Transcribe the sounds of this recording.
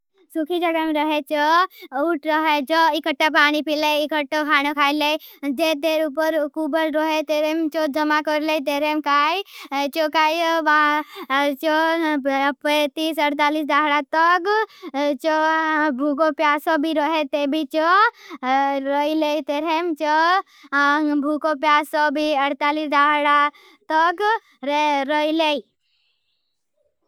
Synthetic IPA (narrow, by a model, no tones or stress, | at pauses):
sukʰid͡ʒəɡameɾəɦet͡ʃɔuʈʰɾəɦet͡ʃɔɪkəʈːapaːnipileɪkəʈːokʰaːñokʰaːiled͡ʒeːt̪eːɾupəɾkuːbəɾɾɔɦet̪eːɾemt͡ʃod͡ʒɐmakɔɾlet̪̬eːɾemkaːit͡ʃokaːjʋa | t͡ʃɔ | pət̪iːsəɾt̪aːlis̬daːɦɽat̪ək | t͡ʃobʱukopjaːsobʱiɾəɦet̪ebʱit͡ʃɔ | ɾəileit̪eɾemt͡ʃo | bʱukopjaːsobʱiəɾt̪aːlisɖaːɽa | t̪ək | ɾəilei